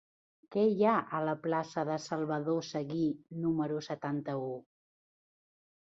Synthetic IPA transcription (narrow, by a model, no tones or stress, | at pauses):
kɛjaʔələplasəðəsəlˠβəðosəɣinuməɾusət̪ant̪əu